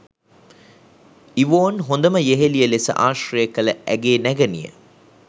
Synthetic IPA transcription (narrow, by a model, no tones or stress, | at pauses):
iʋoːnɦond̪ɐməjeɦelijəlesə̰ʔaːʃrejekɐləʔæɡeːnæɡɐnḭjə̰